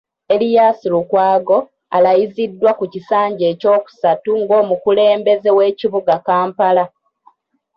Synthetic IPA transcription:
e̞lijaːsilukwaːɡo̞ | a̰lajizidːwakucisaːɲɟe̞ːco̞ːku̥satuŋɡo̞ːmukule̞ːmbe̞ze̞we̞ːciβuɡakaːmpala

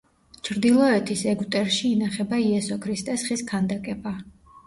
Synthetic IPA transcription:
t͡ʃʰɾd̪ilˠɔɛt̪ʰisɛɡut̪ʼɛɾʃiːnaχɛbaiɛsɔkʰɾist̪ʼɛsχiskʰand̪akʼɛba

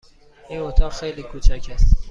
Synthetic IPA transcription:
inot̪ʰɒːʁxejliːkʰuːt͡ʃʰækʰæst̪

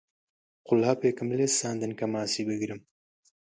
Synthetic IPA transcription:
qʊlaːpeːkɨmlesaːnd̪ɨnkɐmaːsiːbɨɡiɾɨm

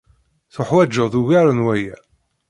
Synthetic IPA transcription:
θʊħwæd͡ʒːəðuʝæɾənwæjæ

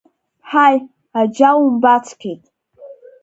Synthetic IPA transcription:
ħaj | ad͡ʒawumbat͡sʰkʲʰejtʼ

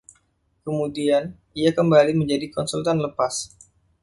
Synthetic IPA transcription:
kəmudian | iakəmbaliməɲd͡ʒadikɔnsult̪anləpas

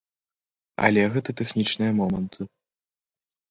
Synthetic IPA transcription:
ɐ̰lʲɛɣɛt̪ɨt̪ɛxnʲit͡ʂnɨjɐmɔmɐnt̪ʰɨ

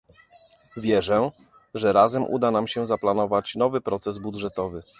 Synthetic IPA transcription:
vʲjɛʐɛ | ʐɛɾazɛmʔṵd̪anamɕɛzaplanɔvat͡ɕn̪ɔvɘpɾɔt̪sɛzbudʐɛt̪ɔvɘ

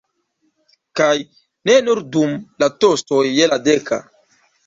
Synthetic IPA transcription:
kaj | nenuɾdumlatostojːeladeka̰

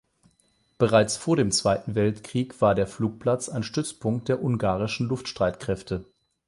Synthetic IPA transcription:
b̥əʁaɪt͡sfoːɐɾeːmt͡sv̥aɪtn̩vɛltkʁ̥iːkv̥aːɐdeːɐfluːk̚pʰlat͡saɪnʃtʏt͡spʰʊŋkt̚d̥eːɐʔʊŋɡaːʁɪʃn̩lʊftʃtʁ̥aɪtkʁ̥ɛftʰə

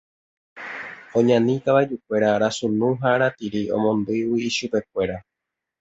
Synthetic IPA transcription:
õ̞ɲãnĩk̪aβaed͡ʒuk̚ʷe̞ɾaɾasunũɦaɾat̪iɾiõ̞̰mõ̞nd̪ɨwiːʃupe̞k̚ʷe̞ɾa

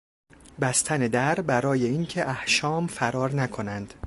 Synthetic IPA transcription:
bæst̪ʰæned̪æɾbæɾɒːje̞iŋcʰe̞ʔæhʃɒːmfæɾɒːɾnækʰo̞nænd̪̥

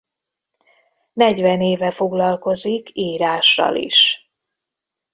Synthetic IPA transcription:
nɛɟʋɛneːvɛfo̞ɡlɒlko̞zikʰiːɾaːʃːɒ̰lḭʃ

